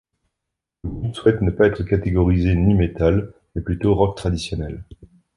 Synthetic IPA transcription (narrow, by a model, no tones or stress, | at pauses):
ləɡupswɛt̪nəpaɛt̪χəkat̪eɡɔʁizenimet̪almɛplyt̪oʁɔk̚t̪χad̪isjɔnɛl